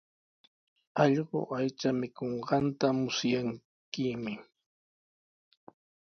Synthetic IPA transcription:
ɑʎɢo̰ʔajt͡ʃamɪkoɴɢɑnt̪amʊsjaŋ | kɪmɪ

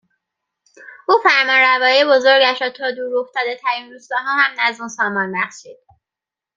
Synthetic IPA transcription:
ʔuːfæɾmɒnɾævɒːjibo̞zo̞ɾɟæʃɾɒːt̪ʰɒːd̪uːɾo̞ft̪ɒːd̪e̞t̪ʰæɾinduːst̪ɒːɦɒːhæmnæzuːnsɒːmɒːnbæχʃiːd̪̥̚

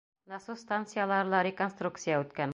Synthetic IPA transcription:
nɑsust̪ant̪sɨjalˠɑɾlˠɑɾʲɪkonst̪ruk̚t̪sɨjaʉt̪kæn

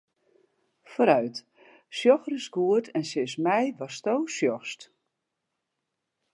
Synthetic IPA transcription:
foːɾœɥt | sjɔxrəsɡuətʰɛnsɪsmɛjʋɔstoːsjɔst

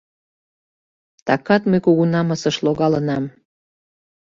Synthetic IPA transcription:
t̪ɑkɑt̪məjkuɣunɑməsəʃloɣɑlənɑm

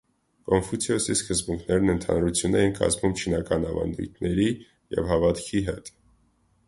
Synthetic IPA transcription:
kɔnfut͡sʰiɔsiskəzbuŋkʰnɛɾnənt̪ʰɑ̰nɾut͡sʰjunɛjinkɑ̰zmumt͡ʃʰinɑkɑnɑvɑ̰nd̪ṵjt̪ʰnɛɾi | jɛ̰vhɑvɑt̪kʰiɦɛt̪

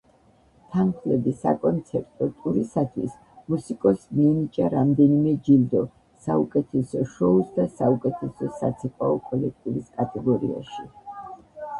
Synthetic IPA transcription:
t̪ʰanχlɛbisa̰kʼɔnt̪sʰɛɾt̪ʼɔt̪ʼuɾisat̪ʰwis | musikʼɔsmiɛnit͡ʃʼaɾamd̪ɛnimɛd͡ʒild̪ɔ | saukʼɛt̪ʰɛsɔʃɔusd̪asaukʼɛt̪ʰɛsɔsa̰t̪sʰipʼaɔkʼɔlɛk̚t̪ʼivɾiskʼat̪ʼɛɡɔɾḭa̰ʃi

